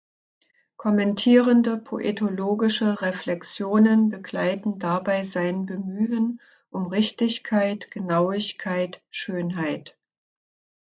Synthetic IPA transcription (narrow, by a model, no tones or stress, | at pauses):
kʰɔmɛntʰiːʁəndəpʰoʔḛtʰoloːɡɪʃəʁeflɛksjoːnənbəɡlaɪtn̩dabaɪzaɪnbəmyːən | ʔʊmʁɪçtɪçkʰaɪtɡ̥ənaʊɪçkʰaɪtʃøːnɦaɪt